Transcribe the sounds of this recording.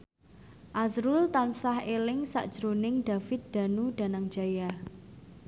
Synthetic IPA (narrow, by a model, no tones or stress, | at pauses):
ʔazɾʊlt̪ansahelɪŋsa̰ʔd̥ʒ̥ɾonɪŋd̪̥a̤fɪt̪̚d̪̥a̤nud̪̥a̤naŋd̥d͡ʒ̥a̤ja